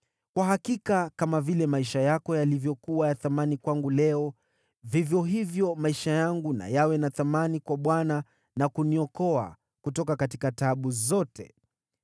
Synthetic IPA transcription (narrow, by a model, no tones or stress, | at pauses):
kwaɦakikakamavilɛmaiʃajakɔjalivjɔkuwajaθamanikwaŋɡulɛɔ | vivjɔɦivjɔmaiʃajaŋɡuna̰jawɛnaθamanikwaɓwana | nakuniɔkɔa̰ | kutɔkakatikataɓuzɔtʰɛ̰